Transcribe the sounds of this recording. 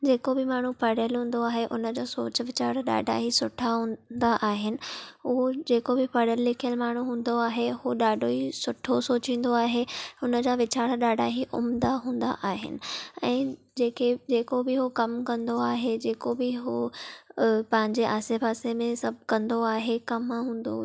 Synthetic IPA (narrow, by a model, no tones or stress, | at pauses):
d͡ʑeːkobɪmaːɳ̤upɐɽ̤əlɦũːn̆d̪oaːɦeʔʊnəd͡ʑoːso̰ːt͡ɕ̆ʋɪt͡ɕaːɽɗa̰ːɖʱa̰ɦisʊʈʰaɦũːd̪aʔaːɦɪnɪ̆ʊɦod͡ʑeːkobɪpɐɽəlːɪkʰijəlmaːɳ̤uɦũːn̆d̪oaːɦehoɗaːɖʱoisʊʈʰosoːt͡ɕĩːn̆d̪oaːɦeʊnəd͡ʑaːʋɪt͡ɕaːɽɗaːɖʱaɦiʔʊ̰md̪aɦũːn̆d̪a̰ʔaːɦɪ̰nɪ̆ɛ̃ː | d͡ʑeːkʰed͡ʑeːkobɪɦokɐmkɐ̃nd̪oaːɦed͡ʑeːkobɪɦo | pɐ̃ɦɪ̃ɲd͡ʑeʔaːsepaːsemẽsɐbʱkɐ̃nd̪oaːɦekɐmɦũːn̆d̪o̰